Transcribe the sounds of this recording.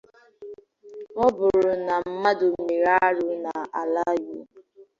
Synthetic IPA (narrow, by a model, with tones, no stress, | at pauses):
ɔ˦bʊ˨ɾʊ˨na˨m̩˦ma˦dʊ˨m̩˨me˨ɾa˦ɾʊ˨˦na˨a˨la˦ju˦